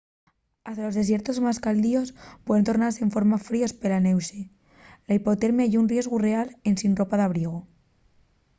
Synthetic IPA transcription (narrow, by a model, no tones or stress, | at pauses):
ast̪alo̞zðe̞s̬je̞ɾt̪o̞zmaskald̪io̞spwe̞ðnt̪o̞ɾnaɾse̞ːɱfo̞ɾmafɾiospe̞lane̞wse | laipo̞t̪eɾmjaʝounrje̞zɣure̞ale̞nsinro̞paðaβ̞ɾieɣ̞o